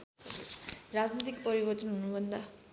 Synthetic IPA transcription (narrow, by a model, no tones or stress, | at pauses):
rad͡znit̪̬ikpʌɾibʌrt̪ʌnɦunubʱʌnd̪a